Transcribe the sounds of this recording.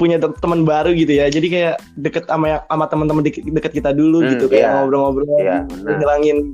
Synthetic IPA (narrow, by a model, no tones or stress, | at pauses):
puɲat̪əmənbaɾuɡit̪ujad͡ʒadikajaʔ | dəkət̪amajaamat̪əmənt̪əməndkdəkət̪̚kit̪aduluɡit̪ukajamobɾaŋabɾaaəɲilaŋɪn